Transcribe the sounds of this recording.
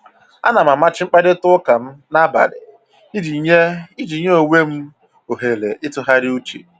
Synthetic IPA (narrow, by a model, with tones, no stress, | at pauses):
a̰˦na˨m̩˨a˨ma˦t͡ʃɪ˦ŋ͡m̩˦k͡pa˦ɾɪ˦tʊ˦ka˨m̩˦na˦ba̰˨lɪ̰˨˦ | i˨ɲe˦i˦d͡ʒi˨˦ɲe˦o˨wʷe˦m̩˦ | o˨ɦe˨lḛ˨ʔɪ˦tʊ˦ɦa˦ɾɪ˦u˦t͡ʃḭ˨